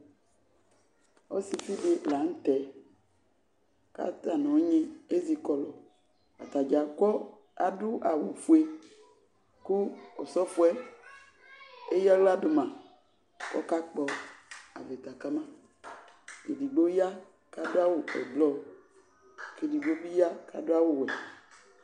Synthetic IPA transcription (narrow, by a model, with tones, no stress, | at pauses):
o˦si˨fi˦ɖe˦la˨ŋ̩˦t̪ɛ˨ | ka̰˦t̪a˨nɔ̃˨˦ɲẽ˦e˦zi˨kɔ˦lɔ˨ | a̰˨t̪a˨d͡ʒa˨kɔ˦ | a˨ɖu˦a˨wu˨fu˨e˦ | ku˦ɔ˨sɔ˦fu˦ɛ˦ | e˦ja˦wla˦do˨mã˨ | kɔ̰˦ka˦k͡pɔ˨a̰˨ve˨t̪a˨ka˦mã˦ | ke˨ɖi˨ɡ͡bo˦ja˦ | ka˦do˦a˦wo˨ɛ̰˨ɡ͡blɔ˦ | ke˨di˨ɡ͡bo˦bi˦ja˦ka̰˨do˦a˦wo˦wɛ˨